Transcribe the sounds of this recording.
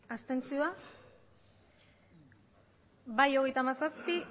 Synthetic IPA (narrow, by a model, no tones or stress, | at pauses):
ast̪e̞nt͡sioa | bajo̞ɣ̞e̞jt̪amasaspi